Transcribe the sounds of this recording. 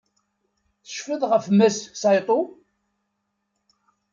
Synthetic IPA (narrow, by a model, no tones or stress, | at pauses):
θə̥ʃfəðʁəfmæssɑjt̪ˤo